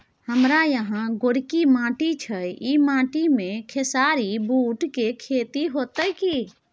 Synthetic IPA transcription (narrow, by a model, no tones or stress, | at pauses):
həmɾajəɦãɡoɽikimãːʈit͡ʃʰəimãːʈimẽkʰesaɾibuːʈkekʰeːt̪iɦot̪əki